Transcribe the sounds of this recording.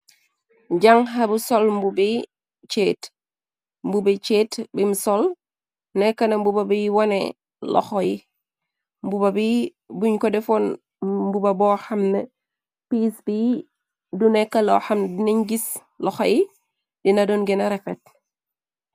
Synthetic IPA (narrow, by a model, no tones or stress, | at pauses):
ɟaŋɦabusolmbubi | t͡ʃet | mbubit͡ʃeːtbimsɔl | nekanɐmbubabijwanḛ | lʔɔ̰xoji | mbubabi | buɲkɔdɛfɔn | mbubabɔhɐmne | piːsbi | dunekalo̰hɐmndiniɲɡis | lɔxoji | dinadonɡenaɾefḛt̚